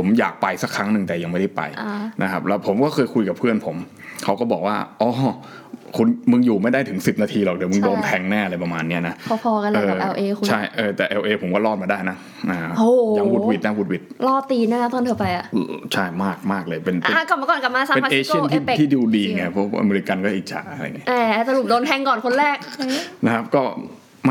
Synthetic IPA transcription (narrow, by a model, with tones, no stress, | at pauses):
pʰo˩˦mja̰ː˨˩k̚pa˧jsa˦˥kʰɾa˦˥ŋnɯ˨˩ŋt̪ɛː˨˩ja˧ŋma˥˩jda˥˩jpa̰˧jnʔa˦˥kʰa˦˥p̚lɛː˦˥wpʰo˩˦mkɔː˥˩kʰɤː˧jkʰu˧jka˨˩pʰɯ˥˩ənpʰo˩˦m | kʰa˦˥wkɔː˥˩bɔ̰ː˨˩k̚waː˥˩ʔɔː˧˩ | kʰu˧nmɯ˧ŋjuː˨˩ma˥˩jda˥˩t̪ʰɯ˩˦ŋsi˨˩p̚naː˧t̪ʰiː˧lɔː˨˩k̚di˨˩˦mɯ˧ŋdoː˧nt̪ʰɛː˧ŋnɛː˥˩a˧la˧jpa˧maː˧nːi˦˥ɐna˦˥pʰɔ˨˦pʰɔː˧ka˧nlaː˧˨ʔɛː˧ʔeː˧t͡ɕʰa˥˩jʔɤː˧t̪ɛː˨˩ʔɛ˧wʔeː˧pʰo˩˦mkɔː˥˩lɔː˥˩t̪̚ma˧jdaː˥˩jna˦˥ | a˧˩oː˧˩˨wuː˦˥˩t̚wi˨˩t̪̚na˦˥wu˦˥t̪̚wi˨˩t̪̚lɔː˥˩t̪iː˧na˦˥na˦˥t̪ɔː˧nt̪ʰɤ˧˩pa˧jʔa˨ʔt͡ɕʰa˥˩jmaː˥˩k̚maː˥˩k̚lɤː˧jpe˧nʔa˧˩kp̚m˧kɔː˨˩nka˨˩p̚maː˧saː˨˧e˧pa˧˥eiː˧t͡ɕʰt̪ʰiː˦˥˩e˨˩tʰiː˥˩di˧diː˧ŋa˧˩pʰɔ˦˥ʔa̰˧meː˧ɾi˧˥ka˧nkɔː˥˩ʔi˨˩t͡ɕʰa̰ː˨˩a˨˩ɾa̰˧ŋi˦˥˩ʔɛː˧˩sa˧lu˨˩doː˧nt̪ʰɛ˧ŋkɔː˨˩nkʰo˧nɾɛː˥˩k̚na˦˥kʰa˦˥p̚kɔː˥˩ | m˥